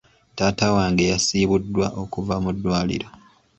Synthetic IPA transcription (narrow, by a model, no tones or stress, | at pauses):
taːtawaːŋɡejasiːβudːwa̰ʔo̞kuvamudːwaːlḭɾo